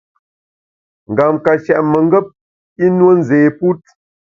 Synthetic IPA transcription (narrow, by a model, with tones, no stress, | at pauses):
ŋ̩˨ɡa˨mka˨t͡ʃɛ˨ʔmə˨ŋ˦ɡə˦p̚ | i˦nwo˦n̩˦˨zeː˨pu˦t̚